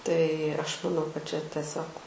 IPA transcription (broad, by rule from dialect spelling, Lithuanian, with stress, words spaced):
tɐɪ ˈɐʃ mɐˈnɐʊ kɐt t͡ʃʲɛ tʲɛˈsʲoːk